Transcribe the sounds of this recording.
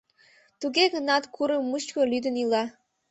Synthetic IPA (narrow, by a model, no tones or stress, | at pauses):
t̪uɣeɣənɑt̪kʰuɾəmːuʃkolyd̪ə̆nilɑ